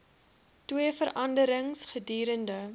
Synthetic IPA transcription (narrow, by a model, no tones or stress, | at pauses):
twiəfəɾʔɐndəɾəŋsχədiːɾəndə